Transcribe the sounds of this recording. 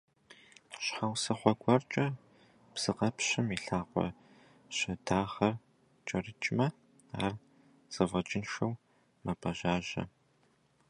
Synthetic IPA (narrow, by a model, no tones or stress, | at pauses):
ɕħawsɐχʷɔɡʷɔrt͡ʃʼɐ | b̥z̥ɨqɐpɕɪmiɬaːqʷɔ̰ | ɕɐdaːʁɐr | t͡ʃʼɐrɨt͡ʃʼmɐ | a̰ːr | z̥ɐvɐt͡ʃʼɪnʃɐw | mɐpʰʼɐʒaːʒɐ̰